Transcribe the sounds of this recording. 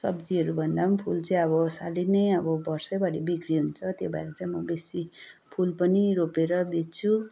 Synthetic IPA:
sʌ̰bd͡ziɦʌɾubʱʌnd̪apʰult͡saĩʌbʌsalinʌjʌbʌbʌrsʌbʌɾibikɾiɦunt͡sʰʌt̪jobaeɾʌt͡saĩmʌbesipʰulpʌniɾopeɾʌbet̪̚t͡sʰu

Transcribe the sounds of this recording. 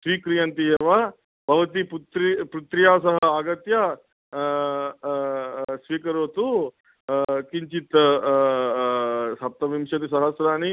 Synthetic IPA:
sʋiːkɾijɐnt̪ijɐʋɐ | bʱɐʋɐt̪iput̪ɾipɾut̪ɾijaːsɐɦɐaːɡɐt̪jɐ | sʋiːkɐɾoːt̪u | kiɲt͡ʃit̪ | sɐp̚t̪ɐʋimʃɐt̪isɐɦɐsɾaːni

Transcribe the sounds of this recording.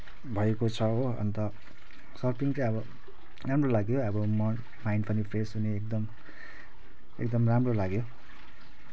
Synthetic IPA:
bʱʌekot͡sʰʌoʌ̰nt̪ʌ | sʌrpiŋt͡sʌj̃ʌbʌ | ramrolaɡjoʌbʌmʌ | majɳɖpʌnipʰresɦuneːk̚d̪ʌm | ḛkd̪ʌmramrolaɡjo

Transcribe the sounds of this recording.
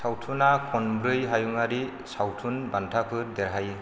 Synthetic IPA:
sawtʰunakʰɔnbɾɯjɦajuŋaɾi | sawtʰunbantʰapʰɯɾdɛɾɦaj

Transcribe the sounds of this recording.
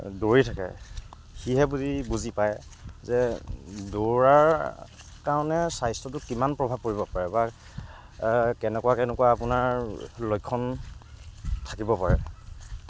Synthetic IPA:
doɹitʰakɛ̰ | xiɦɛbudibuzipaj | zɛdoɹaɹ | kaɹɔnɛsajstɔtʊkimanpɹɔbʱab̚koɹibɔpaɹɛba | kɛnɛkuwakɛnɛkuwaːpʊnaɹlojkʰːɔn | tʰakibɔpaɹɛ̰

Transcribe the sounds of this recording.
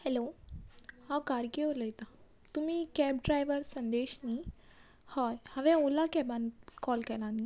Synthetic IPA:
hɛlo | hãkaːɾkeoləjt̪a | t̪umĩkɛːbɖɾaːjʋəɾsə̃nd̪eːʃni | hɔːhɐʋɛ̃oːlakɛbankɔːlkɛlãːni

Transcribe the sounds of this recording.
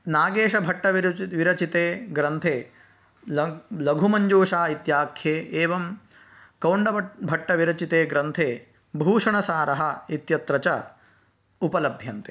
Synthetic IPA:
naːɡeːʂɐbʱɐʈːɐʋiɾʋiɾɐt͡ʃit̪eːɡɾɐnt̪ʰeː | lɐɡʱumɐɲd͡ʒuːʂaːit̪jaːkʰjeːʔeːʋɐm | kɐwɳɖɐbʱɐʈːɐʋiɾɐt͡ʃit̪eːɡɾɐnt̪ʰeː | bʱuːʂɐɳɐsaːɾɐɦɐit̪jɐt̪ɾɐt͡ʃɐ | upɐlɐbʱjɐnt̪e̥

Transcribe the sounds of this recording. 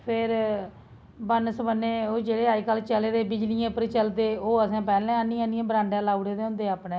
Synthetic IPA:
pʰɪɾ | bənsbənːeːoːd͡ʒeːɽeːaːikəlt͡ʃəleːd̪eːbɪd͡ʒlɪijãːpəɾt͡ʃəld̪eːoːəsãːpɛːlɛ̃ːəniːãnijãːbɾãːɳɖãːlaːuɽeːd̪eːʊ̃nd̪eːaːpnẽː

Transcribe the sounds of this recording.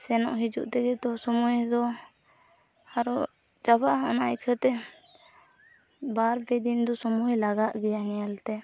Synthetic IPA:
sɛnɔ̰ʔɦid͡ʒṵʔt̪ɛɡɛt̪ɔsɔmujd̪ɔ | aɾɔ | d͡ʒabaʔɔnajkʰət̪ɛ | baɾbɛd̪ind̪ɔsɔmujlaɡaʔɡɛjaŋɛalt̪ɛ

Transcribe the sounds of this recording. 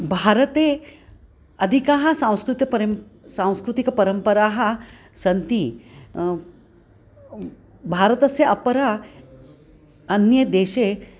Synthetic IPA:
bʱaːɾɐt̪eː | ɐd̪ʱikaːɦɐ̆sãw̃skɾut̪jɐpɐɾɐsãːw̃skɾut̪ikɐpɐɾɐmpɐɾaːɦɐ̆ | sɐnt̪i | bʱaːɾɐt̪ɐsjɐʔɐpɐɾa | ɐnjɐd̪eːʃeː

